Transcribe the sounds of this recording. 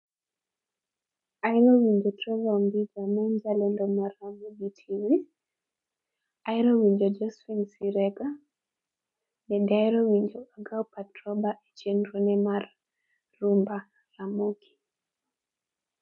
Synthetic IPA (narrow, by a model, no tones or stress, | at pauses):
ajɾowiɲd͡ʒotɾɔvaombid͡ʒamɔnd͡ʒalɛndɔmaramoɡitʰiwi | jɾowiɲd͡ʒod͡ʒɔsfinsiɾɛɡa | nɛdɛajɾowiɲd͡ʒoʔaɡawpatɾɔbaʔet͡ʃjenɾonɛmarː | umba | lamoɡi̥